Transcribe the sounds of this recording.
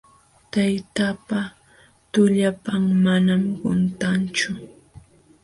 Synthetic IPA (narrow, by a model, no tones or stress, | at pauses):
t̪ajt̪apa | t̪ʊʎapaŋmanamɢʊnt̪ant͡ʃʊ